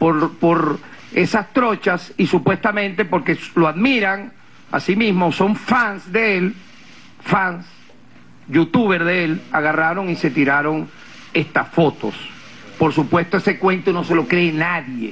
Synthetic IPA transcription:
poɾpoɾe̞sast̪ɾo̞t͡ʃasisupwe̞st̪amẽnt̪e̞po̞ɾke̞sloaðmiɾaŋ | a̰simizmo̞so̞ɱfansd̪e̞el | fans | jut̪uβe̞ɾðeelaɣaraɾo̞ŋise̞t̪iɾaɾo̞ŋ | e̞st̪asfo̞t̪o̞̰s | po̞ɾsupwe̞st̪oesekwe̞nt̪ono̞se̞lo̞kɾe̞ːnaðjḛ

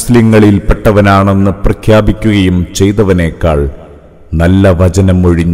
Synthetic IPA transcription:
sliŋːɐɭilpeʈːɐʋɐnaːɳe̞nːɨprɐkʰjaːbikʲːuɣɐjumt͡ɕe̞jt̪ɐʋɐne̞ːkːaːɭ | nɐlːɐʋɐt͡ɕɐnɐmoɻiɲːu

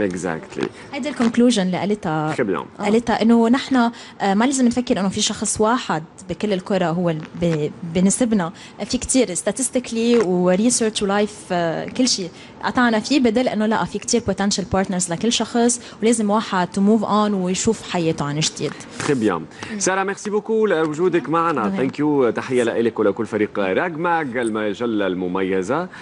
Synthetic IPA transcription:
ʔɛɡza̰kt̪lḭ | hajd̪ilkʊnkluːʒʊnlɪʔalɪt̪aɪbja̰ʔʔalɪt̪aʔɪnːonɪħna | maleːzɪmnfakːɪɾʔɪnːofiʃɑxsˤwaːħɪd̪̚ | bikɪlːɪlkʊɾˤɑɦʊwːebbɪnɪsɪbna | fikt̪iːɾɪst̪at̪ɪst̪ɪkliwɾisəːɾt͡ʃwlajfkɪlːʃiː | ʔɑ̰t̪ˤɑʕnafibɪd̪eːlʔɪ̰nːolaʔafikt̪iːɾpot̪ɛnʃalpɑːɾt̪nəɾzlakɪlːʃɑxsˤ | wleːzɪmwaːħad̚t̪muːvʔaːnwjʃuːfħajeːt̪oʕanɪʒd̪ḭːd̪ | xɪbja̰msɑːɾamɛɾsibʊkulawʊʒuːd̪ɪkmaʕanat̪aŋkjut̪aħɪjːalaʔɪlɪkwɪlakʊlːfaɾiːqaɾˤaɡmaɡalmaʒalːalmʊmajːaza

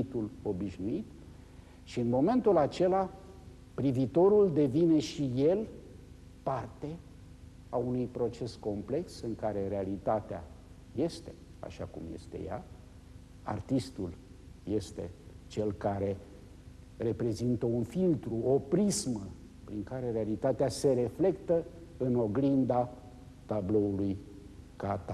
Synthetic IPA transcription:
t̪ulo̞biʃnuit̪ | ʃiɨnmo̞mẽ̞nt̪ulat͡ʃe̞la | pɾivit̪o̞ɾuld̪e̞vine̞ʃije̞l | part̪e̞ | aunujpɾo̞t͡ʃe̞sko̞mple̞ksɨŋkaɾe̞ɾe̞alit̪at̪ea̰ | je̞st̪e̞̥ | a̰ʃa̰kṵmje̞̰st̪e̞̰ja̰ | a̰rt̪ist̪ul | je̞st̪e̞t͡ʃe̞lkaɾe̞ | re̞pɾe̞zint̪əunfilt̪ɾuo̞pɾizmə | pɾiŋkaɾe̞ɾealit̪at̪ease̞ɾe̞fle̞kt̪ə | ɨno̞ɡɾind̪a | t̪ablo̞uluj | kat̪a

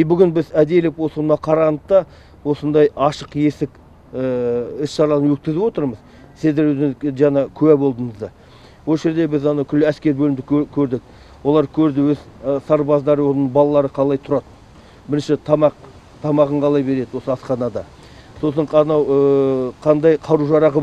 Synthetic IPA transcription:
ebʏɡʲɪnbɪzæd̪e̞lɪkwo̞sonmɑqʰɑɾɑnət̪ːɑ | wo̞sənd̪ɑjɑʃəqje̞sɪk | əɪsʃɑɾɑlˠnənwɵt̪̚kʲɪzɪwo̞t̪əɾməz̥ | sɪzd̪ewɵzɪŋɪzʒɑnɑkʲʰʏwæbo̞lˠd̪əɴəzd̪ɑ | wo̞lˠʒe̞ɾd̪e̞bɪzɑnɑwkʲʰʏlːɪæskʲe̞ɾbɵlɪmd̪ɪkkʲʰɵɾd̪ɪk̚ | wo̞lˠɑɾkʲʰɵɾd̪ɪwɵzsɑɾbɑzd̪ɑɾəwo̞nəɴbɑlˠɑlˠɑɾəqʰɑlˠɑjt̪ʰʊɾɑd̪ | bɪɾɪnʃɪt̪ʰɑmɑq | t̪ʰɑmɑʁəɴqʰɑlˠɑjbe̞ɾe̞d̪ɪwo̞səɑsqɑnɑd̪ɑ | so̞s̬əɴɑnɑwəqʰɑnd̪ɑjqʰɑɾuʒɑɾɑʁə

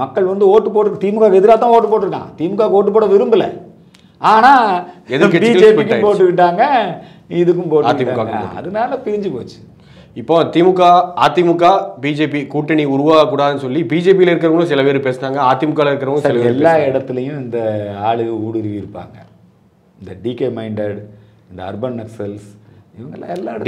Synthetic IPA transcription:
mɐkːɐɭʋɐnd̪ɯoːʈːɯp̬oːʈɪɾɯkːɐt̪iːmɯkːaːkɛðɪɾaːt̪̬ːãːoːʈːɯpoːʈːɯɾɯkːã̰ːt̪iːmʊkːaːkoːʈːɯp̬oːɽɐʋɪɾɯmbɪlɐ̰ | aːnaːɛðkːɐbɪkːɐeːpikːaːpoːʈːɯʋɪʈːaːŋɡɐ | ɪðɯkːɯmpoːʈɯːkɪɪmːaːkːaːkɡɐ̰ɐ̰ðɯmaːlɐpɪɾɪɲd͡ʒɯpo̰ːt͡ʃːɯ̥ | ɪpːoːt̪iːmʊkːaːaːt̪ːimʊkːaːbiːd͡ʒeːpikuːʈːɐɳiʊɾʊʋaːɣɐkːuːɽaːðɯnɯsɔlːibiːd͡ʒeːp̬ilɐɪɾɯk̬ːɪɾɐʋɭʊ̃sɪlɐpeːɾɯpeːsɯnaːŋɡɐaːt̪ːɪmʊkːaːlɐɪɾɯkːɐɾɐʋɐʊ̃sɪlɐpeɛɾlːaːɪɽɐt̪ːɪlɐjʊ̃ɪnd̪ɐaːɭɯɣɐuːɽɪɾɯʋiɪɾɯpːa̰ːŋɡɐ̰ | ɪnd̪ɐɖiːkeːmɐɪɳɖɐɽ | ɪnd̪ɐɐɾbɐnmɐksɐlsɪʋɐŋɡɐlːa̰ːɛlːaːɪ

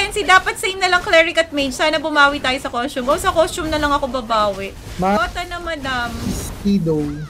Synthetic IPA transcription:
ɛnsid̪aːpɐt̪sejmnɐlɐŋklɛɹɪkɐt̪̚mejd͡ʒsaːnɐbʊmaːwit̪aːjosɐkost͡ʃʊmʔowsɐkost͡ʃʊmnɐlɐŋɐkobɐbaːwɪʔ | maot̪ɐnɐmɐd̪ampid̪ow

